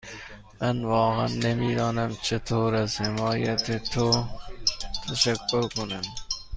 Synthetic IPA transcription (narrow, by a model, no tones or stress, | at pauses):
ɐnʋɑːɣɐ̰nːɐmiːd̪ɑːnɐmt͡ɕʰet̪ʰoːɾɐzhɪmɑːjɐt̪ʰet̪ʰo | t̪ʰɐɕɐkːoɾkunɐn